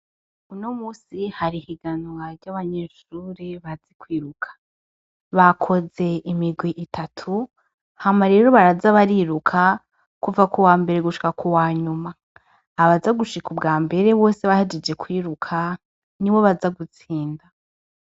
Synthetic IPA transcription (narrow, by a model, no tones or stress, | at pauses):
unomuːsihaɾihiɡanowaɾɟaβaɲe̞ʃuɾiβazikwiːɾukʰḁ | βakʰo̞ze̞imiɡwiʔitʰatʰu | hamaɾe̞ːɾo̞βaɾazaβaɾiːɾukʰa | kuvakuwaːmbe̞ɾeɡuʃi̥kakʰuwaːɲumaː | βazaɡuʃikubɡaːmbe̞ɾe̞βo̞ːseβahid͡ʒed͡ʒe̞kʰwiːɾukʰa | niwo̞βazaɡut͡siːnda